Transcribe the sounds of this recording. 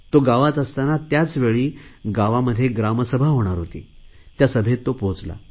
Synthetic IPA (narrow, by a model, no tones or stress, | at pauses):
t̪oɡaʋat̪əst̪anat̪jat͡sʋeɭiːɡaʋaməd̪ʱːjeɡɾaməsəbʱaɦoɽ̃aɾɦot̪ḭːt̪jasəbʱet̪ːopõt͡sla̰